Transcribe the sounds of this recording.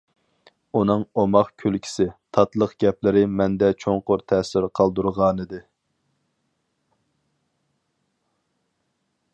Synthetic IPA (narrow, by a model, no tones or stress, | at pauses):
unɨŋomɑχkʲʰølkʲʰi̥sɪt̪ʰɑt̪lˠəqɡʲɛplɪɾɪmɛnd̪ɛt͡ʃʰoŋqʊɾt̪ʰɛsɪɾqʰɑlˠd̪uɾʁɑːnɨd̪ɨ